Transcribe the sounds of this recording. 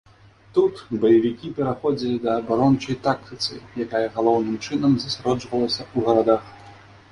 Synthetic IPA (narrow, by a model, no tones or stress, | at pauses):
t̪ut̪bɐjɐvʲikʲipʲɛɾaxɔd͡zʲilʲid̪ɐːbaɾɔnt͡ʂɐjt̪ak̚t̪ɨt̪sɨ̰jakajɐɣalˠɔwnɨmt͡ʂɨnɐmzɐsʲaɾɔd͡ʐvɐlˠɐsʲɐuɣɐɾad̪ax